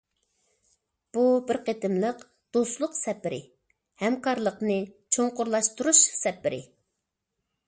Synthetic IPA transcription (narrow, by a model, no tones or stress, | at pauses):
b̥ubɪɾqet̪ɪmlˠəq | d̪̥ost̪lˠʊqsɛpːɪɾɪ̰ | hɛmkɑɾlˠəqnɨt͡ʃʰoŋqʊɾlˠɑʃt̪uɾuʃsɛpːɪɾɪ